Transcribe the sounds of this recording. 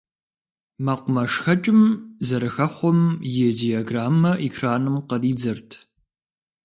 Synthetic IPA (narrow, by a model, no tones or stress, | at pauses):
maqʷʊmɐʂxɐt͡ʃʼɪmzɐɾɨxɐχʷɔmjediaɡraːmːɐʔikʰraːnɨmqəriːd͡zɐrtʰ